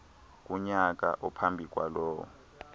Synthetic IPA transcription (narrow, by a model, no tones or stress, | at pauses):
k̬ʼuɲak̬ʼa̰ʔupʰambʱik̬ʼwalɔːwɔ